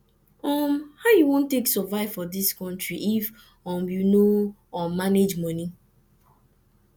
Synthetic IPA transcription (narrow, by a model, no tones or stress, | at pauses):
ɔmhaʊjuwõntːeksɔvaɪv̥fɔdiskɔ̃ntɹiʔif | ɔ̃mjuno | ɔ̃nmaned͡ʒmɔni